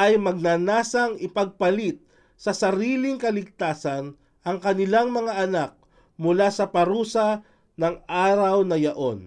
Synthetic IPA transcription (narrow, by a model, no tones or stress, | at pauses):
ʔɐjmɐɡ̚nanaːsɐŋɪpɐɡ̚pɐlit̪̚ | sɐsɐɾiːlɪŋkɐlɪɡ̚t̪aːsɐn | ʔɐŋkɐnɪlaŋmɐŋaʔɐnak̚ | mʊlasɐpɐɾuːsɐ | nɐŋʔaːɾɐwnɐjɐʔo̞n